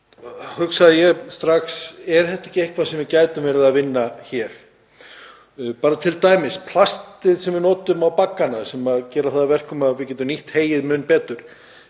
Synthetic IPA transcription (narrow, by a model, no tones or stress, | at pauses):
hʏksaðjɛst̪ɾaxsɛɾ̥θɛht̪aɛ̥hcɪehkʰvasɛmvɪɾcaːjt̪ʏmvɛɾɪðavɪnːaçɛɾ̥ | paːɾat̪ʰɪlt̪aːjmɪspʰl̥ast̪ɪðsɛmvɪɾnɔːt̪ʏmawpakːanasɛmaðcɛːɾaθaðavɛr̥kɔmaðvɪcɛːt̪̬ʏmniht̪heːjɪðmʏnpɛːt̪ʏɾ̥